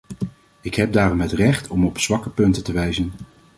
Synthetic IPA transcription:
ɪkɦɛb̚daːrɔmɦətrɛχtʰɔmɔpsʋɑkəpɵntətəʋɛjzən

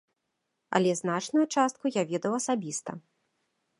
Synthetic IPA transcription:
ɐ̰lʲɛznat͡ʂnujut͡ʂast̪̚kujavʲɛd̪ɐwɐsabʲist̪ɐ̰

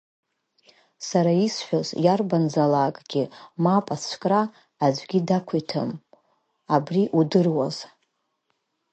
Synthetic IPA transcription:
saɾaisħʷᶣazjarband͡zalaːkʼɡ̥ʲimapʼat͡sʷʰkʼraː | d͡ʒʷɡʲidakʷʰitʰa̰m | abriʔudɨrwaz̥

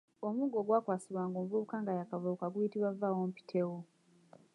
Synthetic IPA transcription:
omuːŋɡo̞ɡwaːkwaːsiβwaːŋɡoːmvuβukaːŋɡajakavokaɡujitiβwavawompi̥tʰewo

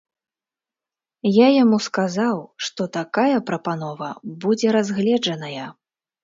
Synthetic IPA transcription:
jajamuskazawʂt̪ɔt̪akajɐpɾɐpanɔvɐbud͡zʲɛɾazɣlʲɛd͡ʐɐnɐjɐ

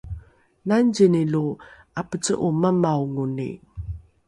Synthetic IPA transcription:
nanɟinilu | apət͡sə̰ʔuməmawŋunḭ

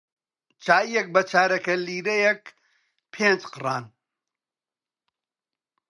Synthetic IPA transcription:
t͡ʃaːijɛk̚bɐt͡ʃʰaːɾɐkɐliːɾejɛk | pʰeːnd͡ʒqɨraːn

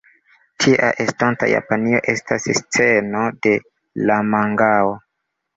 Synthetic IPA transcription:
tʰiʔa̰ʔe̞stanta̰ja̰panio̞̰ʔe̞stʰasst͡se̞no̞de̞ | lamaŋɡao

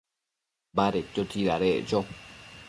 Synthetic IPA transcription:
baɾet͡ʃːot̪ʰiɾaɾeʔt͡ʃo

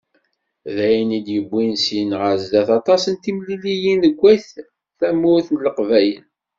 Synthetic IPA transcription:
ðæjnid̪jəbʷːinsinʁəɾzd̪æθɑt̪ˤɑsənt̪imlilijinəɡʷːæθ | θæmːʊɾθənləqvæjən

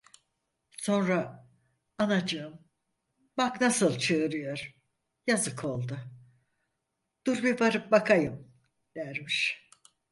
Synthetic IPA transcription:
so̞nɾa | anad͡ʒɯɯm | baknasɯlˠt͡ʃʰɯɯɾɯjo̞ɾ̥ | jazɯkʰo̞lˠd̪ʊ | d̪̥uɾbibaɾɯp̚bakʰajɯm | d̪̥æɾmiʃ

